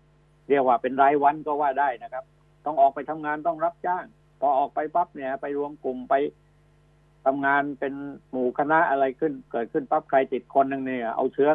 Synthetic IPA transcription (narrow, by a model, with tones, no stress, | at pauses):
ɾi˥˩ək̚waː˧˩pe˧nɾaː˧jwa˧nkɔː˥˩waː˥˩daː˥˩jna˦˥kʰa˦˥p̚ | t̪ɔ˥˩ŋʔɔː˨˩k̚pa˧jt̪ʰa˧mŋaː˧nt̪ɔ˥˩ŋɾa˦˥p̚t͡ɕaː˥˩ŋ | pʰɔː˧ʔɔː˨˩k̚pa˧jpa˦˥p̚ni˧˥˩ɐpa˧jɾu˧əmku˨˩mpa˧j | t̪ʰa˧mŋaː˧npe˧nmuː˨˩kʰa˧na˦˥ʔa˧ɾa˧jkʰɯ˥˩nkɤː˨˩t̪̚kʰɯ˥˩npa˦˥p̚kʰa˧jt̪i˨˩t̪̚kʰo˧nːɯ˨˧ŋni˧˩a˨˧˩ʔa̰˧wt̪ʰɯ˦˥ɐ